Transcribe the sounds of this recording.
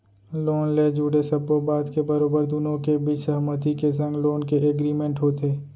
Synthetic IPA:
loːnleːd͡ʒuːɽesɐbobaːd̪kebɐɾoːbəɾd̪ʊnõkebʱisɐɦmət̪ikesə̃ŋɡloːnkeʔeɡɾiːmẽɳʈɦoːt̪eː

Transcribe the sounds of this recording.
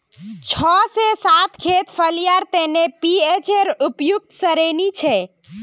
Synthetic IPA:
t͡ʃʰɔsesat̪kʰet̪pʰəlijaɾt̪enepiet͡ʃeɾupjuk̚t̪səɾenit͡ʃʰɛ

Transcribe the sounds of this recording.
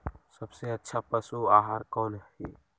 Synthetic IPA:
səbseətːʃʰapəsuaːɦaːɾkɔːnɦiː

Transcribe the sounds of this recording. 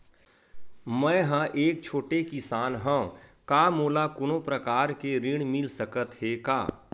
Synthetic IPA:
mɛ̃ɦãʔeːk̚t͡ʃʰoːʈekɪsaːnɦə̃õkaːmoːlakʊnõpɾəkaːɾkeɾiɽ̃mɪlsəkət̪ɦeːka̰ː

